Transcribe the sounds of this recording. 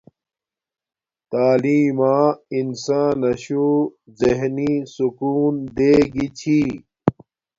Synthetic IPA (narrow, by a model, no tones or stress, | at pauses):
t̪aːliːmãːinsaːnɐɕuzeɦnisukuːnd̪eːɡit͡ɕʰi